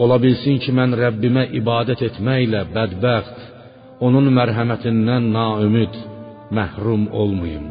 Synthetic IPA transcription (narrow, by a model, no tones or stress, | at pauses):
o̞lˠɑbilsincʰimænɾæbːimæʔibɑːd̪æt̪ʰe̞t̪ʰmæjlæbæd̪bæxt̪ | o̞nunmæɾɦæmæt̪ʰind̪ænːɑːømid̪ | mæhɾumolˠmujum